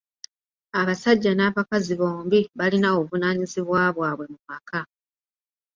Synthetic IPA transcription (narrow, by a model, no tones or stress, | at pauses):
aβasaɟːanaːβakaziβo̞ːmbiβalinaoβunaːɲiziβwaːβwaːβwe̞mumakʰa